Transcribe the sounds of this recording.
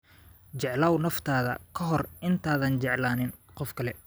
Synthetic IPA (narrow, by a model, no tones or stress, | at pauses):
t͡ʃɛʕlaːwnɐft̪ʰaːðɐ̰kʰɐɦɔrʔɪnt̪ʰaːðɐnt͡ʃɛʕlaːnɪnqɔfkʰɐlɛ